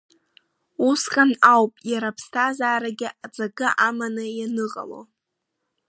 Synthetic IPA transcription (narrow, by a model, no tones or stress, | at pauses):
uskʼanawpʼjaɾapʰstʰazaːɾaɡʲɪʔat͡sʼaɡɨʔamanɨjanɨqʼa̰lo̰